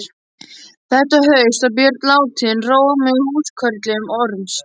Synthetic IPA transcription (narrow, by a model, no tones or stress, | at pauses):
ɾ | θɛht̪aɦœːɥst̪aðpjɛːɾt̪laːwt̪ʰiðɪnroːwɣamʏhuːskʰœɾt̪lɪʏmɔɾʏms